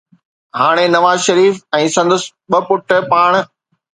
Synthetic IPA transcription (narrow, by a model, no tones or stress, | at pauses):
ɦaːɽ̃enɐʋaːzʃɐɾiːfɛ̃ːsɐ̃nd̪əs | ɓɐpʊʈə̆paːɽ̃